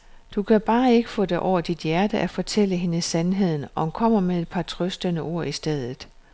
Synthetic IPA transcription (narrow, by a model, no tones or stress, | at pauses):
d̥ukʰæb̥ɑ̈ːe̝ɡ̥əfɔ̰̽ːd̥eʔɒʊ̰ɐd̥id̥jæɐd̥əʔæfɒ̽t͡sʰel̰əɦe̝nəsænɦe̝ð̰ˠn̩ɒ̽hmkʰɒ̽m̰ɐmee̝d̥̚pʰɑ̈t͡sʰʁœsd̥ənəʔo̝ɐ̰isd̥eð̞ˠð̩ˠ